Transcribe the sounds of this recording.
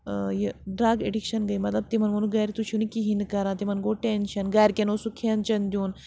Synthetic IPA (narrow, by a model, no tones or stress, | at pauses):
jiɖɾaːɡeɖikʃɐnɡɐimɐt̪lɐb̚t̪imɐnmɐnuɡɐːjɾit̪ut͡ʃʰunikiɦind̪kɐɾãːt̪imɐnɡoːʈenʃɐnɡɐːɾkʲenoːsukʰient͡ʃɐnd̪ʲjuːn